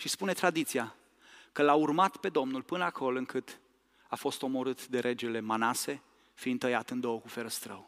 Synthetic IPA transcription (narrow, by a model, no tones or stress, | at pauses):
ʃispune̞t̪ɾad̪it̪sia | kəlaurmat̪pe̞d̪o̞mnulpɨnəakʰo̞lɨŋkɨt̪ | afo̞st̪o̞mo̞ɾɨt̪d̪e̞ɾʔe̞d͡ʒe̞le̞manase̞ | fiːnd̪t̪ːəjat̪ɨnd̪o̞wəkufe̞ɾəst̪ɾəw